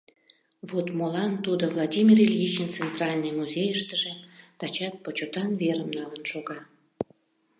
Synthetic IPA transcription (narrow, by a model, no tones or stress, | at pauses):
vot̪molɑnt̪ud̪ovlˠɑdʲimʲirelʲjit͡ɕənt͡sent̪rɑlʲnɨjmuzʲejəʃt̪əʒet̪ɑt͡ɕɑt̪̚pot͡ɕot̪ɑnveɾəmnɑlənʃoɣɑ